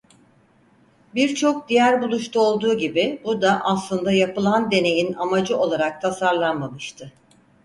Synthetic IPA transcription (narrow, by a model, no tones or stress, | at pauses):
biɾt͡ʃʰo̞k̚d̪ijæɾbulˠuʃt̪ʰuo̞lˠd̪uːɟibibud̪aʔaslˠɯnd̪ajapɯlˠand̪e̞ne̞jinamad͡ʒɯʔo̞lˠaɾak̚t̪ʰasaɾlˠanmamɯʃt̪ʰɯ